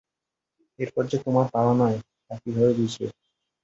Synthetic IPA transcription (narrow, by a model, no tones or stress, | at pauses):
eɾpɔɾd͡ʑet̪omaɾp̪aɾanɔe | akibʱɔbed̪it͡ɕʰḛ